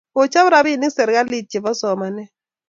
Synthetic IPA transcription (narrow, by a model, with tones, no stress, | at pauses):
o˨t͡ʃa˦βɾa˨bi˦˨ni˦ksɛ˨ɾka˦li˦˨t̚t͡ʃi˨βɔ˦sɔ˨ma˨nɛ˦